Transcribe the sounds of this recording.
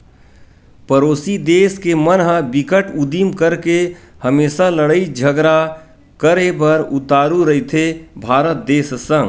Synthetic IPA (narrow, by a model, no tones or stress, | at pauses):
pəɾoːsid̪eːskemənɦə̃bɪkəʈʊd̪imkəɾke | həmeːsaləɽəid͡ʒʱəɡɾa | kəɾebəɾʊt̪aːɾuɾəɦit̪ʰebʱaːɾət̪̚d̪eːssə̃ŋɡ